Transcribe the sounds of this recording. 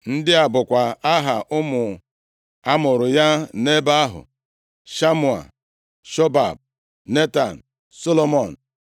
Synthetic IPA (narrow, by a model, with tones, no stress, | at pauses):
n̩˦dɪ˦a˨bʊ˨kʷa˨a˦ɦa˨ʔʊ˦mʊ˨ | a˦mʊ˨ɾʊ˨ja˦ne˦ba˦a˦ɦʊ̰˨ | ʃa˦mu˨a̰˨ | ʃo˦ba̰˨b̚ | ne˦ta˨n̩˨ | so˦lo˦mo˨n̩˨